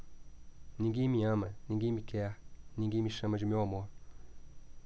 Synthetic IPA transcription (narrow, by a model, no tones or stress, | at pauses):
nĩŋɡimiamaniŋɡimikɛaniŋɡimiʃamad͡ʒumjɔma